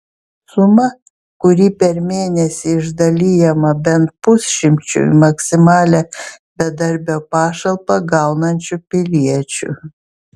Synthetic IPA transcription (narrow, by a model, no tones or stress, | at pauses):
sʊmɐ | kʊɾʲiːpʲɛɾmʲeːnʲɛsʲɪɪʒd̪ɐlʲijɛmɐbʲɛnt̪̚pʊsʲʃʲɪmʲt͡ʃʲʊ̰mɐksʲɪmɑːlʲɛ | bʲɛd̪ɐɾʲbʲoːpɑːʃɐlˠpɐɡɐˑʊnɐnʲt͡ʃʲʊpʲɪlʲiɛt͡ʃʲʊ̰